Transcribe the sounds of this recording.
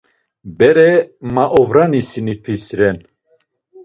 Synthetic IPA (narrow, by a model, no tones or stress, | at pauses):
bɛɾɛmaʔɔvɾanisinipʰisɾɛn